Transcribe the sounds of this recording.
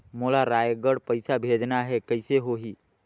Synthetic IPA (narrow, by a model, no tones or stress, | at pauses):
molaɾaːjɡəɽpəɪsabʱeːd͡ʒnaɦɛkəɪseɦoɦiː